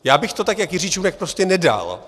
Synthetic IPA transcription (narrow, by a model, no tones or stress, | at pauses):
jaːbɪxt̪o̞t̪akjakjɪrit͡ʃunɛk̚pɾo̞scɛnɛda̰l